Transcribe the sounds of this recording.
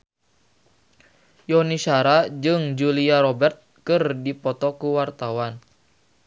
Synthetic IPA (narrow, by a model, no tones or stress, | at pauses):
jɔniʃaɾad͡ʒɨŋd͡ʒuliaɾɔbɛrt̪̚kɨrdipɔt̪ɔkuwart̪awan